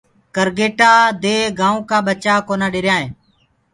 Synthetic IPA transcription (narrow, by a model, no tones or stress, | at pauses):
kəɾɡeːʈaːd̪eːɡãːõːkãːɓət͡ʃaːkoːnaːɗeːɾjãːɦẽː